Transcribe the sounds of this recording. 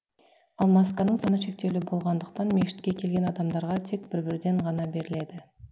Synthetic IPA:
ɑlˠmɑskɑnəɴsɑnəʃe̞k̚t̪e̞wlɪbo̞lˠʁɑnd̪əq̚t̪ɑnmʲe̞ʃɪ̥t̪̚kʲekʲʰe̞lʲɡʲe̞nɑd̪ɑmd̪ɑɾʁɑt̪ʰe̞k̚b̥ɪɾbɪɾd̪e̞ɴʁɑnɑbe̞ɾɪle̞d̪ɪ

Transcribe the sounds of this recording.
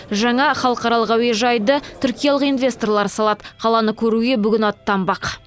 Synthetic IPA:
ʒɑɴɑχɑlˠəqɑɾɑlˠəqɑweʒɑjd̪ət̪ʰʏɾkʲijɑlˠəqijnvʲe̞st̪o̞rlˠɑɾsɑlˠɑd̪əqʰɑlˠɑnəkʲʰɵɾuɡʲe̞bʏɡʲɪnɑt̪ːɑmbɑq

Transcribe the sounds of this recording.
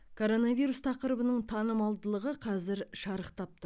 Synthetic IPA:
kʰo̞ɾo̞navijɾust̪ʰɑqəɾəbənəɴt̪ʰɑnəmɑlˠd̪əlˠəʁəqʰɑzɪɾʃɑɾəqt̪ɑp̚t̪ʊ

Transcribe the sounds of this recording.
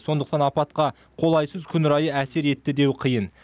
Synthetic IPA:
so̞nd̪əqt̪ɑnɑpɑt̪̚qɑ | qʰo̞lˠɑjsəzkʲʰʏnʏɾɑjəæse̞ɾe̞t̪ːɪd̪e̞wqʰəjən

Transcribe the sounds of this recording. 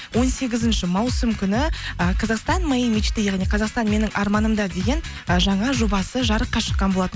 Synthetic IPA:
wo̞nse̞ɡʲɪzɪnʃɪmɑwsəmkʲʰʏnɪəqʰɑzɑqst̪ɑnmɑjimit͡ʃt̪ɪjɑʁnijqʰɑzɑqst̪ɑnme̞nɪŋʔɑɾmɑnəmd̪ɑd̪e̞ɡʲe̞n | ʒɑɴɑʒo̞bɑsəʒɑɾəqːɑʃə̥qːɑnbo̞lˠɑt̪ən

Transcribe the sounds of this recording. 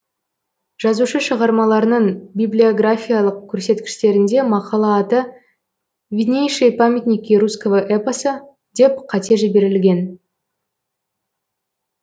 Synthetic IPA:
ʒ̥ɑzuʃəʃəʁɑɾmɑlˠɑɾənəɴbʲiblʲio̞ɡrafʲijalˠəq̚kʲʰɵɾse̞t̪kʲɪ̥ʃt̪e̞ɾɪnd̪e̞mɑqɑlˠɑːt̪ə | vʲinʲejʃejpamʲet̪nʲikʲːiɾuskovəʔepəsə | d̪e̞p̚qʰɑt̪e̞ʒɪbe̞ɾɪlɡʲe̞n

